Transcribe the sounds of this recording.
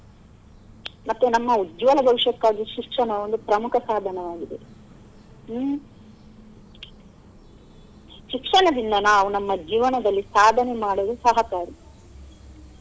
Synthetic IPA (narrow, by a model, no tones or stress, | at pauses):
mɐt̪ːenɐmːɐud̪jʋɐlɐbʱɐʋiʂjɐkːaːɡiʃikʂɐnɐond̪upɾɐmukʰɐsaːd̪ʱɐnɐʋaːɡid̪e | ʃikʂɐnɐd̪ind̪ɐnaːʋunɐmːɐd͡ʒiːʋɐnɐd̪ɐlːisaːd̪ʱɐnemaːɽod̪usɐɦɐkaːɾi